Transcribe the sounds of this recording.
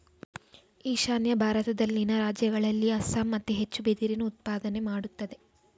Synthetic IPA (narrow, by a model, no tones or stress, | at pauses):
iːʃaːnjɐbʱaːɾɐt̪ɐd̪ɐlninɐɾaːd͡ʒjɐɡɐɭɐlːiɐsaːmːɐt̪ːuɦe̞t͡ʃːubed̪iɾinuːt̪̚paːd̪ɐne̞maːɽut̪ːɐd̪e̞